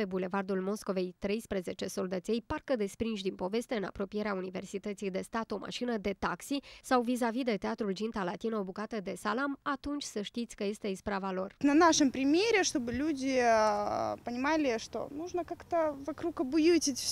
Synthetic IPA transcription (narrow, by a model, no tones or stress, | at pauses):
pe̞bule̞vard̪ulmo̞sko̞ve̞jt̪ɾe̞jspɾəze̞t͡ʃe̞so̞ld̪ət̪sʲe̞jparkəd̪e̞spɾinʃ̬ʲd̪inpo̞ve̞st̪eɨna̰pɾo̞pije̞ɾeaunive̞rsit̪ət̪sijd̪e̞st̪at̪o̞ma̰ʃinəd̪e̞t̪aksisawvizavid̪e̞t̪eat̪ɾuld͡ʒint̪alat̪inoobukat̪əd̪e̞salamat̪unt͡ʃʲsəʃt̪it̪sʲkəje̞st̪e̞ispɾavalo̞rnɐnaʂɨmpɾʲɪmʲeɾʲeʂt̪obɨlʲud̪ʲɪ | pənʲɪmalʲɪʂt̪o̰nuʐnəkakt̪əvɐkɾukɐbujut̪ʲɪtʲf